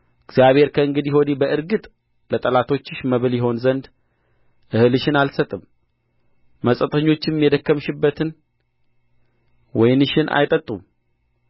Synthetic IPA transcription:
ɨɡzjaβhe̞ɾkʰəɨŋɡɨd̪ijɪho̞d̪ibəʔɨɾɡɨt̪ʼ | lət̪ʼəlat̪ʰo̞t͡ʃːɨʃməβɨljɪɦo̞nzənd̪ | ʔɨhɨlɨʃɪnalsət̪ʼːɨm | məsʼət̪ʰʼəɲːo̞t͡ʃːɪnmjɛd̪əkːəmʃɨbːət̪ʰɨn | wɔjnɨʃɪnʔa̰jt̪ʼət̪ʼːum

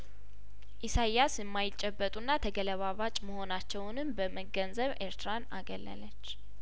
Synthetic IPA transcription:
ʔisajasɨmːajɪt͡ʃʼːɛbːət̪ʼunːat̪ʰəɡələβaβat͡ʃʼməho̞nat͡ʃːɛwnɨmbəməɡənzəβeɾt̪ʰɨɾanaɡələ̰lət͡ʃː

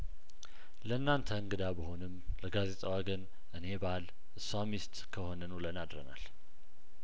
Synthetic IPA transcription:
ləɨnːant̪ʰəɨŋɡɨd̪abəɦo̞nɨmləɡaze̞t̪ʼawaɡən | ʔɨne̞bal | ʔɨsamist̪kʰəho̞nənulənad̪ɾəna̰l

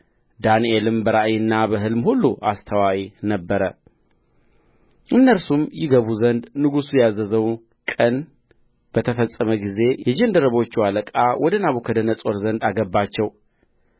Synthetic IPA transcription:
d̪anielɨmbəɾaʔjɨnːabəɦɨlmhulːuʔast̪ʰəwawinəbːəɾə | ʔɨnːəlsumjɪɡəβuzənd̪nɨɡusujɛjazːəzəw | kʼən | b̥ət̪ʰəfəsʼːəməɡize̞jɛd͡ʒɛnd̪əɾəβo̞t͡ʃːiwaləkʼawʔɔd̪ənaβukʰəd̪ənəsʼoɾzənd̪aɡəbːat͡ʃːɛw

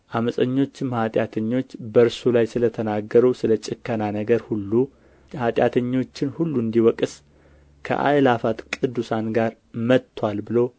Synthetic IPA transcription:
ʔaməsʼəɲːo̞t͡ʃːɪmhat̪ʼjat̪ʰəɲːo̞t͡ʃːbəɾsulajsɨlət̪ʰənaɡːəɾuwsɨlət͡ʃʼɪkʰːənanəɡəɾhulːu | hat̪ʼjat̪ʰəɲːo̞t͡ʃːɪnhulːuɨnd̪iwɔkʼɨs | kʰə̰ʔa̰jlafat̪kʼɨd̪ːusanɡaɾ | mət̪ʰːwalbɨlow

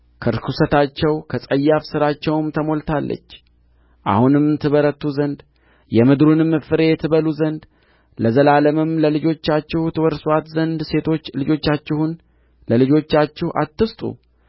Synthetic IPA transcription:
kʰəɾkʰusət̪ʰat͡ʃːɛwkʰəsʼəjːafsɨɾat͡ʃːɛwmt̪ʰəmo̞lt̪ʰalːə̰t͡ʃː | ʔa̰hunɨmnt̪ʰɨβəɾət̪ːuzənd̪ | jɛmɨd̪ɾunɨmːɨfɨɾe̞t̪ʰɨβəluzənd̪ | ləzəlaləmɨmləlɨd͡ʒo̞t͡ʃːat͡ʃːɪht̪ʰɨwɔɾswat̪zənd̪se̞t̪ʰo̞t͡ʃːlɨd͡ʒo̞t͡ʃːat͡ʃːɪhun | ləlɨd͡ʒo̞t͡ʃːat͡ʃːɪhʔa̰t̪ːɨst̪ʼṵ

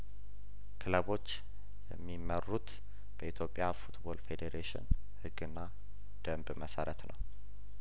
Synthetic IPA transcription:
kʰɨləβo̞t͡ʃː | jɛmːimərːut̪ | b̥əit̪ʰjo̞pʼːjafut̪bo̞lfe̞d̪eɾeʃɪ̰n | hɨɡːɨnːa | d̪̥əmbməsəɾət̪nʔəw

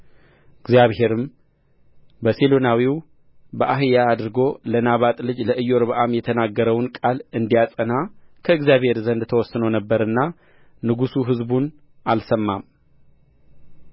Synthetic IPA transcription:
ʔɨɡzjaβhe̞ɾɨm | bəselonawiw | bəʔaɦɨjaːd̪ɨɾɡo̞lənaβat̪ʼlɨd͡ʒləʔɨjːoɾbəʔamjɛt̪ʰənaɡːəɾəwnkʼalɨnd̪ijasʼənakʰəɨɡzjaβhe̞ɾzənd̪t̪ʰəwɔsːɨnownəbːəɾɨnːa | nɨɡusuɦɨzbun | ʔalsəmːam

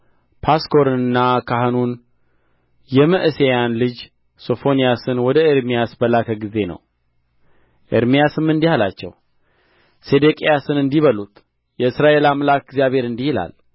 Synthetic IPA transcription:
pʰasko̞ɾɨnɨnːakʰaɦɨnun | jɛməʔɨsejanlɨd͡ʒ | so̞fo̞nijasɨnwɔd̪əeɾmijasbəlakʰəɡize̞nə̰w | ʔḛɾmijasɨmːɨnd̪ihalat͡ʃːɛ̰w | sed̪ekʼejasɨnɨnd̪iβəlut̪ʼ | jɛɨsɾaʔe̞lamlakɨɡzjaβe̞ɾɨnd̪ihila̰l

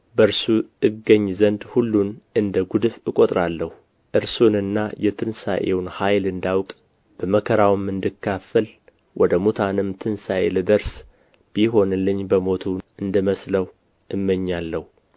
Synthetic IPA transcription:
bəɾsuɨɡːəɲːzənd̪hulːunɨnd̪əɡud̪ɨfɨkʼot̪ʼɾalːəhu | ʔɨɾsunɨnːajɛt̪ʰɨnsa̰ʔewnhajlɨnd̪awkʼ | b̥əməkʰəɾawmːɨnd̪ɨkʰːafəl | wʔɔd̪əmut̪ʰanɨmt̪ʰɨnsaʔelɨd̪əɾs | b̥iɦo̞nɨlːɨɲːbəmo̞t̪ʰuɨnd̪ɨməsləw | ʔɨmːəɲːalːəhu

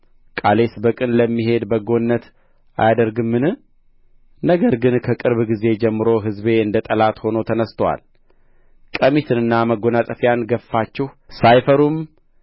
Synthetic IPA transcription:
kʼale̞sbəkʼɨnləmːiɦe̞d̪bəɡo̞nːət̪ | a̰jad̪əɾɡɨmːɨnɨ | nəɡəɾɡɨnkʰəkʼɨɾβɡize̞d͡ʒɛmːɨɾo̞ɦɨzbe̞ɨnd̪ət̪ʼəlat̪ho̞not̪ʰənəst̪ʰəwa̰l | kʼəmit̪ʰɨnɨnːaməɡo̞nat̪ʼəfjanɡəfːat͡ʃːɛhsajfəɾum

